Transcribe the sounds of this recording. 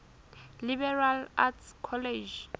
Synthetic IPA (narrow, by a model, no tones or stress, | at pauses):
libɛralatskʰɔled͡ʒ